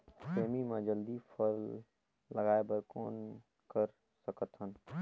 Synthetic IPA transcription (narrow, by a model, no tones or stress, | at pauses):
peːmimãd͡ʒəld̪ipʰəɾː | əɡaːebəɾkoːn | kəɾ | səkət̪ɦən